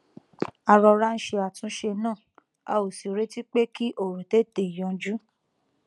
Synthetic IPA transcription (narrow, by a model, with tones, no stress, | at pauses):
a˧ɾɔ˧ɾa˦n̩˦ʃe˧a˨tũ˦ʃe˧nãː˦˨ | a̰˧o˨si˨ɾe˨˦ti˦k͡pe˦ki˦ʔo˨ɾõ˨te˦˨te˨i˨jɔ̃˨˧˦d͡ʒu˦